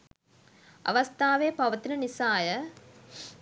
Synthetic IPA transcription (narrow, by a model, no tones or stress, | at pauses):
ɐ̰ʋɐst̪ʰaːʋeːpɐʋɐt̪inɐnisaːjə